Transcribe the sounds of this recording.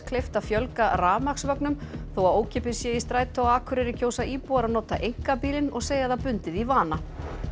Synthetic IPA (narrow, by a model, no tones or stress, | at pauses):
kʰlejft̪afjœlkaraːmaksvœknʏmθowaðoːwcʰɛːp̬ɪsjɛist̪ɾaːjt̪ʰawaːkʰʏɾɪɾɪcʰoːwsaʔiːpuaɾanɔːt̪aʔejŋ̥kapiːlɪnɔɣseːjaðapʏnt̪ɪðivaːna